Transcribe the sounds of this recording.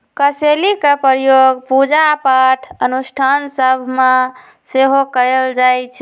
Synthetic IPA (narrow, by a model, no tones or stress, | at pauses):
kəselikepɾjoɡpud͡ʒapaʈʰənusʈʰansəbʱme | seɦokəld͡ʒajt͡ʃʰɛ